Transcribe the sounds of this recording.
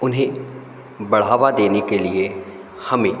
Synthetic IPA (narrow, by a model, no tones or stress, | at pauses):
ʊnɦẽ | bɐɽ̤aːʋad̪eːnekelɪe | hɐmẽː